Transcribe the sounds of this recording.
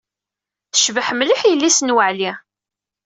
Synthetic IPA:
θə̥ʃvəħmliħjəlːisənwəʕli

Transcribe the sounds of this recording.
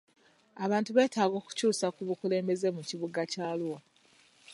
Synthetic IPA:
aβaːntuβe̞ːtaːɡo̞ːku̥cuːsakuβukule̞ːmbe̞ze̞muciβuɡacaːluwa

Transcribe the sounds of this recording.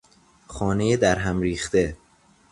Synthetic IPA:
xɒːne̞jed̪æɾɦæmɾiːxt̪e̞

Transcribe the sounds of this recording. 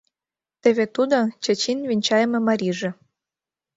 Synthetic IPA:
t̪eβet̪ud̪ot͡ɕə̆t͡ɕinvinʲt͡ɕɑjəmɤ̆mɑɾʲiʒĕ

